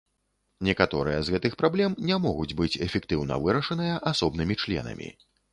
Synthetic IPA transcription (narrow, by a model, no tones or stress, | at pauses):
nʲɛkat̪ɔɾɨjɐzɣɛt̪ɨxpɾablʲɛmnʲamɔɣud͡zʲbɨt͡sʲɛfʲɛkt̪ɨwnɐ̰vɨɾɐʂɐnɨjɐʔasɔbnɨmʲit͡ʂlʲɛ̰nɐ̰mʲḭ